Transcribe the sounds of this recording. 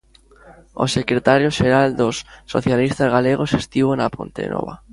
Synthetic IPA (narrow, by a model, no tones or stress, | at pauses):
o̰sekɾet̪aɾjoʃeɾald̪osːo̰θjalist̪azɣaleɣosest̪iβonapont̪ḛnɔ̰βa